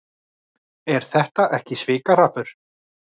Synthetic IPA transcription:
ɛɾ̥θɛht̪aʔɛhcɪsvɪːkarapʏɾ̥

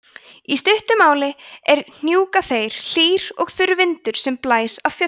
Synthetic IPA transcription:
ist̪ʏht̪ʏmaːwlɪɛɾn̥juːkaθejɾ̥l̥iːɾɔɣθʏɾvɪnt̪ʏɾ̥sɛmplaːjsav̥fjœ

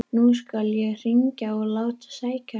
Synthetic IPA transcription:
nuskaljɛɣr̥iɲcaɔɣlaːwt̪ḁsaːjca

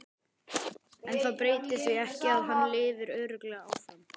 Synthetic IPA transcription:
ɛnθaðpɾeːjt̪ɪsvɪɣɛhcɪaðɦanːlɪːvɪɾœːɾʏklɛɣaawfan

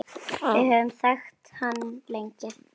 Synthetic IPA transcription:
vɪðhœːvɪmθɛxt̪hanːleɲcɪ

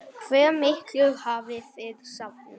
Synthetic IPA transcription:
kʰvɛːmɪhklʏɣhaːvɪθɪðsapnʏm

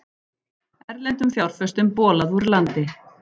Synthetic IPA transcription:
ɛɾlɛnt̪ʏmfjawɾ̥fœst̪ʏmpɔːlaðuɾlant̪ɪ

